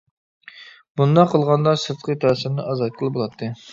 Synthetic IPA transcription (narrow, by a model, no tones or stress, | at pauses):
b̥und̪ɑqʰəlˠʁɑnd̪ɑsɨɾt̪qʰət̪ʰæɾsɪɾnɨʔɑzɑt̪̚qʰəlˠɨbolˠɑt̪ʰːɨ